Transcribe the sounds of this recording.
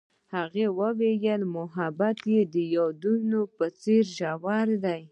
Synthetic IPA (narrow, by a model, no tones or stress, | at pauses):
haɣewəwejəlmʊɦabat̪jed̪əjɑd̪unopət͡seɾʒawaɾd̪aj